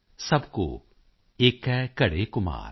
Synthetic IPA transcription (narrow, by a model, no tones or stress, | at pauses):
sɐbko̰ | eːkɛkɐɽekʊma̰ːɾ